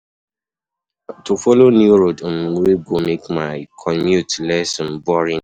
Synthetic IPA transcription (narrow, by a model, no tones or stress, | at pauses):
tufɔlonjuɹodmweɡomekmaɪkʰɔmjutlɛsnbɔɹĩn